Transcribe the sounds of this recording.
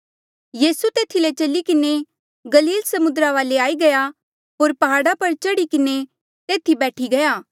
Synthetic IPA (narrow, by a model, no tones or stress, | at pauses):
jiːsut̪eːt̪ʰilet͡ʃɐlikɪne | ɡɐliːlsɐmʊd̪ɾaʋaːleaːiɡɐja | ɦoːɾpɐɦaːɽapɐɾt͡ʃɐɽikɪne | t̪eːt̪ʰibɛːʈʰiɡɐjaː